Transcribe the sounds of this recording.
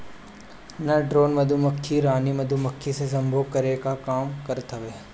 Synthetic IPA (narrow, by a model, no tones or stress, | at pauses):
nɐɖɾoːnmɐd̪ʱumɐkʰːiɾaːnimɐd̪ʱumɐkʰːises̬ɐmbʱoːɡ̚kɐɾekakaːmkɐɾt̪ʰɐʋeː